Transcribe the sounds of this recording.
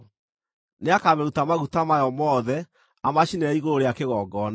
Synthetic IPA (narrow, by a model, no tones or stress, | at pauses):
neakamɛɣutamaɣutamajɔmɔːðɛ | amaɕinɛaiɣoɾoɾeakeɣɔːɡɔna